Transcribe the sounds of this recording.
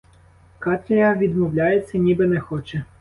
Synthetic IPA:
kɑt̪ʲlʲɐjɐʋʲid̪mɔwlʲajet͡sʲːɐnʲibɪnɛxɔt͡ʃɛ

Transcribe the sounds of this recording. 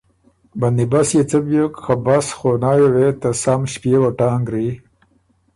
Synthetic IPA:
banibasjet͡səbjokxabasxonaːjwet̪asamɕpjewaʈaːŋɡɾi

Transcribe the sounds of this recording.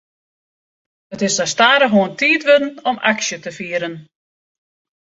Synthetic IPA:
ətɪsdastaːɾəɦuəntʰiːtʋødn̩ɔmaksjətəfiːəɾən

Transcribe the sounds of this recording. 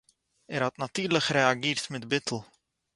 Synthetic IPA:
ɛrɦɔtnatyːrləkreaɡɪːrtmɛdbɪtʰəl̩ˠ

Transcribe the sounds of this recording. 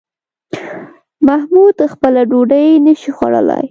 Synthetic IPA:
mahmud̪xpəlaɖoɖəjnəʃixwaɽə̰la̰j

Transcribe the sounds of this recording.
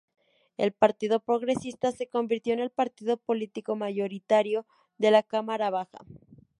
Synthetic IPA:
e̞lpaɾt̪iðo̞pɾo̞ɣɾe̞sist̪ase̞ko̞mbiɾt̪jo̞ene̞lpaɾt̪iðo̞po̞lit̪iko̞maʝo̞ɾit̪aɾjo̞ | ðe̞lakamaɾaβaxa̰

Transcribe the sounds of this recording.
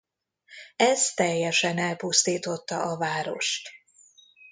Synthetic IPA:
ɛst̪ɛjːɛʃɛnɛlpust̪iːt̪o̞t̪ːɒʔɒvaːɾo̞̰ʃt̪

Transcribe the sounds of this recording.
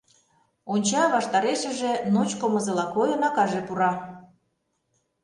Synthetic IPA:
onʲt͡ɕɑβɑʃt̪ɑɾeʃə̆ʒĕnot͡ɕkomɤ̆zɤ̆lɑkojɤ̆nɑkɑʒĕpuɾɑ

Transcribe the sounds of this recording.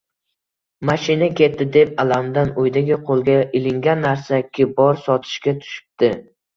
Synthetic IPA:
maʃɪnakʲʰe̞t̪̚dːɪd̪e̞p̚alamd̪anojd̪aɡʲɪqʰolˠɡʲaɪlɪŋɡʲanːaɾsakʲʰɪbɒɾsɒt̪ʰɪ̥ʃkʲat̪ʰʊ̥ʃɪ̥p̚d̪̥ɪ

